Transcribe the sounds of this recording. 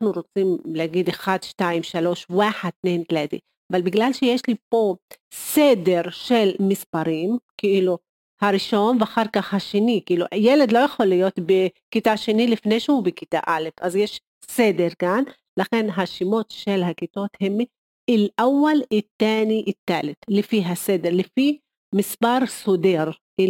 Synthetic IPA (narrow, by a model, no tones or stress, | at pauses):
naħnuɾot͡simleaɡid̪exad̪ʃtaimʃalo̞ʃwaħat̪nent̪let̪ḭ | avalbiɡlalʃejeʃlipo̞sede̞ɾʃelmispaɾimkeʔilu | haɾiʃo̞nveaχaʁkaχhaʃenikeiluʔjeled̪lojeχolːijo̞t̪bekit̪aʃenilifnejʃehubekit̪a̰ʔale̞fʔazjeʃ | sed̪eɾkan | laχe̞nɦaʃimo̞t̪ʃelɦakit̪o̞t̪hem | ilʔawalit̪ːeniʔit̪ːalet̪lefiɦased̪eɾlefi | mispaʁsod̪eʁki